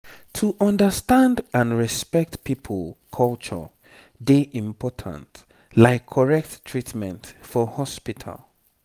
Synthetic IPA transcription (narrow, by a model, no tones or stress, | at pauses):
tʰuʔʌ̃ndəstãndãnɹɛspɛk̚tpʰipʰəlˠkʰɔlt͡ʃə̰ | deʔĩmpʰɔtʰə̰̃nt | laɪkʰːɔɹɛk̚tːʰɹitmɛ̰̃ntfɔhɔspitʰə̰lˠ